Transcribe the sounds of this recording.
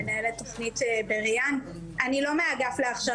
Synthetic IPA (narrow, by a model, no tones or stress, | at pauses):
enaeletoχnitbeʁjan | ʔanilo̞meaɡafleaχʃa